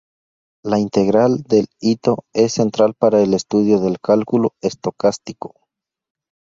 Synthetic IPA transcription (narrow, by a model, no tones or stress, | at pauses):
laint̪e̞ɣɾald̪e̞lit̪o̞e̞sːe̞nt̪ɾalpaɾaele̞st̪uðjoðe̞lkalkuloest̪o̞kast̪iko̥